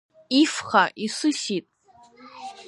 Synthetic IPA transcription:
ifχaʔisʷɨsitʼ

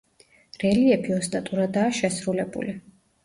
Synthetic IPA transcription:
ɾɛliɛbiɔst̪ʼat̪ʼuɾad̪aːʃɛsɾulɛbṵli

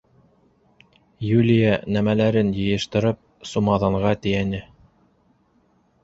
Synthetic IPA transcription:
julʲijɑnæmælæɾɘnjɤ̆jɤ̆ʃt̪ɤ̆ɾɤp̚ | sumɑðɑɴʁɑt̪ɘ̆jænɘ

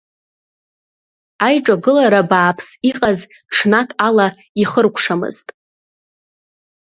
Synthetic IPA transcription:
ajʈ͡ʂʼaɡɨlaɾabaːpʰsiqʼaz | ʈ͡ʂʰnakʼala | iχərkʷʰʂamɨ̰ztʼ

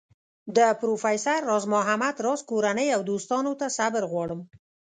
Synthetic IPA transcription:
d̪əpɾofajsaɾːɑzmʊɦamad̪ɾɑzkoɾanəjawd̪ost̪ɑnot̪asabəɾɣwɑɽəm

